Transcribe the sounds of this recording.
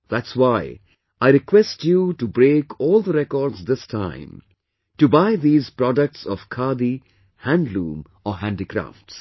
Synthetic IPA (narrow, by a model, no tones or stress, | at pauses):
ðætswaɪ | aɪɾɪkwɛstjuʈubɾeːkʰɔːlˠd̪əɾɛkɔːɾɖzd̪ɪstʰãɪ̃m | ʈubaɪd̪iːzpɾɔɖək̚ʈsɔv̥kʰad̪i | hæ̃nɖlũːm | ɔɦæ̃nɖikɾa̰fʈs